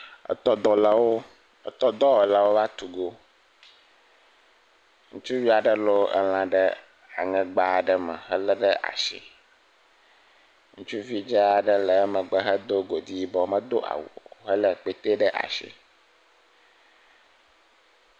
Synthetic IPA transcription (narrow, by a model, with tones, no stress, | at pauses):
ə̰˨t̪ɔ˦d̪ɔ˨la˨wo˦˨ | t̪ɔ˦d̪ɔ˦wɔ˨la˨wo˦va˦t̪u˨ɡo˦ | ŋũ˦t͡ʃu˦vi˦a˨ɖə˦lo˦ɛ̰˨l̃ã˨ɖə˦ | a˨ŋɛ̃˨ɡ͡ba˨ɖə˦mə̰˨ɦə˦lɛ˦ɖə˦ʔa̰˨ʃḭ˨ | ŋũ˦t͡ʃu˦vi˦d͡ʒɛ˦a˨ɖə˦lə˨˦mə̃˨ɡ͡bə˦ɦə˦d̪o˦ɡo˨d̪i˦bɔ˨mə̃˦d̪o˦ʔa̰˨wo̰˨ɦə˦lə˦˨k͡pe˦t̪e˦ɖə˦ʔa̰˨ʃḭ˨